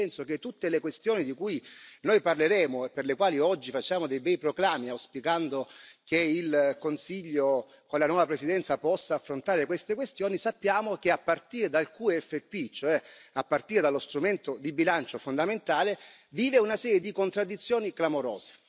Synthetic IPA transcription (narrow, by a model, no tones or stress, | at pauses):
ɛnsok̟et̪ːut̪ːelekwest̪joːnid̪ikujnojparleɾɛːmoeperlekwaːliɔd͡ʒːifat͡ʃːaːmod̪ejbɛjpɾoklaːmiawspikand̪okeilkonsiʎːo | konlanwɔːvapɾesid̪ɛnt̪sapɔsːaːfːɾont̪aːɾekwest̪ekwest̪joːnisapːjaːmokeapːart̪iːɾed̪alkuːɛfepːit͡ʃoɛapːart̪iːɾed̪alost̪ɾument̪od̪ibilant͡ʃofond̪ament̪aːleviːveunasɛːɾjed̪ikont̪ɾad̪ːit̪sːjoːniklamoɾɔ̰ːze̥